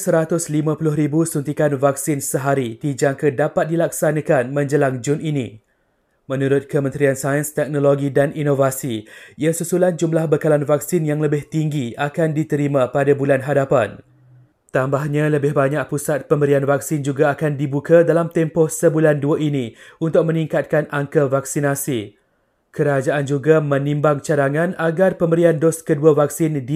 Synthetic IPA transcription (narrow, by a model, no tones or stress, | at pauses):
səɾat̪ʊslimãpulʊɦɾibusunt̪ikanvak̚sɪnsəɦaɾidid͡ʒaŋkədapat̪̚dilak̚sanãkanmə̃ɲd͡ʒəlaŋd͡ʒʊninḭ̃ | mə̃nũɾʊt̪̚kəmə̃nt̪ɾiansajənst̪ɛk̚noloɡidaninovasiiasusuland͡ʒumlahbəkalanvak̚sɪnjaŋləbɪht̪iŋɡiakandit̪əɾimãpadabulanɦadapan | t̪ambahɲãləbɪhbaɲak̚pusat̪̚pəmbəɾianvak̚sɪnd͡ʒuɡaːkandibukadalamt̪ɛmpɔhsəbulanduaʔinĩunt̪ʊk̚mə̃nĩŋkat̪̚kanaŋkavaksinasi | kəɾad͡ʒaʔand͡ʒuɡamə̃nĩmbaŋt͡ʃadaŋãnaɡarpəmbəɾiandɔskəduavak̚sɪndi